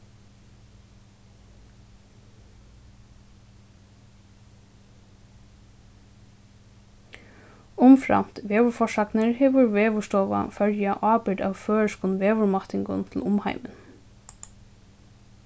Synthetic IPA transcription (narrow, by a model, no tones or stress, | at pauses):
ʊmfɹɑ̰m̥t̪ʋeːʋʊɹfɔʂɑknəɹheːʋʊɹʋeːʋʊʂt̪ɔːʋa̰fœɹjaʔɑːbɪɖa̰ːʋføːəʂkʊnʋeːʋʊɹmɑt̪ɪŋɡʊnt̪ʰl̩ʊmhɑ̰ɪmə̰n